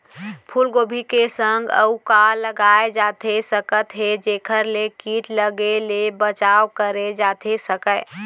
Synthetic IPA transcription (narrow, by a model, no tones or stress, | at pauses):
pʰulɡoːbʱikesəŋɡə̰ukaləɡaed͡ʒaːt̪ʰesəkət̪ɦed͡ʒeːkʰəɾlekiːʈləɡelebət͡ʃaːwkəɾed͡ʒaːt̪ʰesəkə